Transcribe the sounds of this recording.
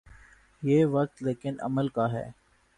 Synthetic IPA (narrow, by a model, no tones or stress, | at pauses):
jeːʋɐk̚t̪leːkɪnʔɐ̰məlkaɦɛ̰ː